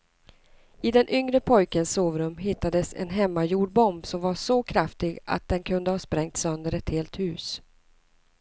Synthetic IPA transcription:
ɪd̪ɛnʔʏŋɾəpʰɔjkənsːoːvɾɵmɦɪt̪ːad̪əsɛ̰nɦɛmːajuːɖbɔmbsɔmvaʂɔkʰɾaft̪ɪɡa̰t̪̚d̪ɛnkʰɵnd̪əhɑːspɾɛŋt̪sœnd̪əɾɛt̪heːlt̪hʉ̟ːs

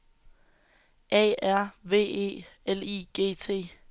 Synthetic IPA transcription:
ʔɛ̰æɐ̰ʋe̝̰ːe̝̰ːeliːɡ̥e̝̰ːt͡sʰe̝̰ː

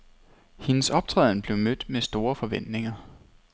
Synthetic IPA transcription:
he̝nəsɒ̽b̥̚t͡sʰʁɛ̰ð̰ˠn̩b̥le̝ʊmød̥mesd̥o̝ːɐfɒ̽ʋen̰d̥ne̝ŋɐ

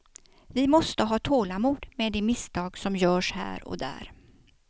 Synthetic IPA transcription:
vɪmɔst̪əɦɑːt̪ʰoːlamuːd̪meːd̪eːmɪst̪ʰɑːɡsɔmjœːʂhæ̰ːɾɔ̰d̪æ̰ːɾ

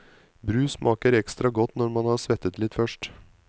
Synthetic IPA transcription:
bɾʉːsmʔɑːkəɾɛkst̪ɾɑɡɔt̪ːnɔɾmɑnhɑːsʋɛt̪ːət̪lɪt̪fœʂʈ

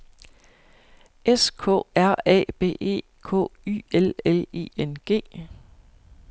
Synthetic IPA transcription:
eskʰɔ̰̽æɐ̰ɛ̰ːb̥e̝̰ːe̝̰ː | kʰɔ̰ːy̰ːelele̝̰ːenɡ̥e̝̰ː

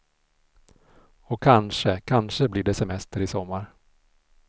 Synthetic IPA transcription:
ɔkʰanʂəkʰanʂəblɪɖɛsɛmɛst̪əɾɪsɔmːaɾ

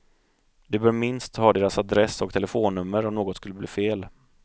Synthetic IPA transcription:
d̪ɵbœːɾmɪnst̪hɑːd̪eːɾasad̪ɾɛsːɔk̚t̪ʰɛlɛfoːnːɵmːəɾɔmnoːɡɔt̪skɵlːəbliːfeːl

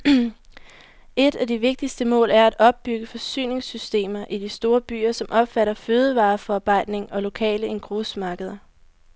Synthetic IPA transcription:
e̝d̥æd̥iʋe̝ɡ̥̚d̥isd̥əmɔ̰̽ːlʔæɐæd̥ɒ̽b̥̚ːyɡ̥əfɒ̽sy̰ːne̝ŋsysd̥e̝̰ːmɐʔid̥isd̥o̝ːɐb̥y̰ːɐsɒ̽mʔɒ̽b̥fæɾɐføːð̞ˠəʋɑ̈ːfɒɑ̈ːb̥ɑ̈ɪ̰d̥ne̝ŋɒ̽lo̝kʰɛ̰ːləʔe̝nɡ̥ʁosmɑ̈ːɡ̥əð̞ˠɐ

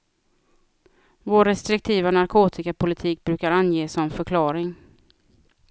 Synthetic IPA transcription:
voːɾːɛst̪ɾɪk̚t̪ʰiːvanaɾkʰoːt̪ʰɪkapʰʊlɪt̪ʰiːk̚bɾʉ̟ːkaɾanjeːsɔmfœɾkʰlɑːɾɪŋ

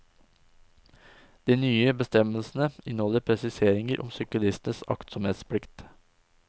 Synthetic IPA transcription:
d̪̥iːnyːəbəst̪ɛməlsn̩əɪnhɔləɾpʰɾɛsɪseːɾɪŋəɾʔɔ̰msʏkəlɪst̪nəsɑ̰kt̪sɔmheːt̪spʰlɪkt̪

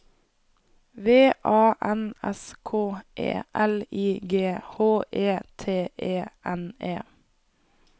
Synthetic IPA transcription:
ʋeːʔɑːʔɛnɛ̰skʰoːʔḛːʔɛliːɡeːhoːʔeːt̪ʰeːʔeːʔɛneː

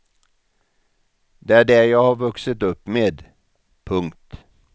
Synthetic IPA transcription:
d̪ɛæɖɛæjɑːɡhɑɾvɵksət̪ɵpːmeːd̪ | pʰɵŋkt̪

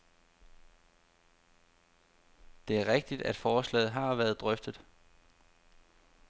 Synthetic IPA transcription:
d̥e̝æɐʁeɡ̥̚d̥id̥æd̥fɒːslɛ̰ːð̩ˠɦɑ̈ːʋæɐð̞̩ˠd̥ʁœfd̥ð̩ˠ

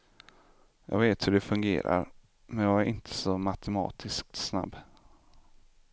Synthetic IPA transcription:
jɑ̰ːɡveːt̪hɵɖɛfɵŋɡḛːɾa̰ɾ | mɛnjɑːɡæɾʔɪnt̪ʰə̥sɔmat̪ʰɛmɑ̰ːt̪ʰɪsk̚t̪sna̰bː

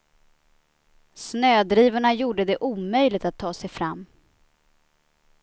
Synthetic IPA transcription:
snøːd̪ɾiːvaɳajuːɖəd̪ɛʔuːmœjlɪɡ̚t̪at̪ʰːɑːsɛjfɾamː

